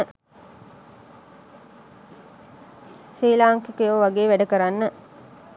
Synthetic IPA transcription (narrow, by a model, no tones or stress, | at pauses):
ʃiːlaːŋkikjoʋaɡeːʋæɖəkəɾanːə